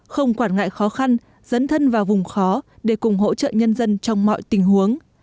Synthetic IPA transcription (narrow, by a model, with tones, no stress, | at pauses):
xə˧wŋ͡mkwaː˧˩nŋa̰ː˧˨jxɔ˨˦xa˧n | zə̰˨˦˥nt̪ʰə˧nvaː˨˩wvʊ˨˩ŋ͡mxɔ˨˦ɗe˧˩kʊ˨˩ŋ͡mɦo̰˧˥t͡ɕə̰ː˧˨ɲə˧nzə˧nt͡ɕɔ˧wŋ͡mmɔ̰˧˨jt̪ï˨˩ŋ̟hu˨˦əŋ